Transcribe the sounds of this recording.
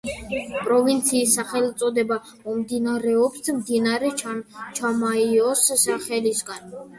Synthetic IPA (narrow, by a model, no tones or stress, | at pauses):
pʼɾɔvint̪sʰiːsːaχɛlt̪sʼɔd̪ɛba | ɔmd̪inaɾɛɔpsmd̪inaɾɛt͡ʃt͡ʃʰamaiɔsːaχɛlisɡan